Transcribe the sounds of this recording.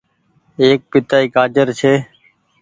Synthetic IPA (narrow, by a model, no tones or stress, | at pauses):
eːk̚pɪt̪aːiːkaːd͡ʒəɾt͡ʃʰeː